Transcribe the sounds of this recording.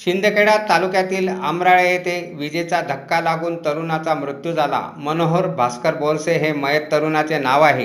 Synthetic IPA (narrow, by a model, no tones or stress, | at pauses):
ɕind̪ʱəkʰeɽat̪ːalukjat̪iːlamɾaɭjet̪eʋid͡ʑet͡sad̪ʱəkːalaɡuːnt̪əɾunat͡samɾut̪jud͡zʱala̰mənoɦoɾbʱaskəɾbolseɦeməjət̪ːəɾunat͡senaʋaɦe